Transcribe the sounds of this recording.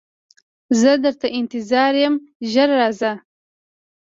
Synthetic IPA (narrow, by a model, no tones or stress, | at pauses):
zəd̪əɾt̪aʔɪnt̪ɪzɑɾjəmʒəɾːɑza